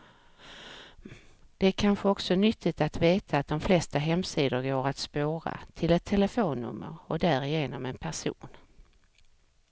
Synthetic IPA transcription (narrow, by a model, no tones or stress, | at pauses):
d̪̥ɛæɾkʰanɧəɔksɔnʏt̪ʰːɪt̪at̪veːt̪ʰaːt̪̚d̪ɔmflɛst̪aɦɛmːsiːd̪əɾɡoːɾat̪spoːɾa̰t̪ʰɪlɛt̪ʰːɛləfoːnːɵ̰mːə̰ɾɔkd̪æːɾɪjeːnɔmɛnpʰæʂṵːn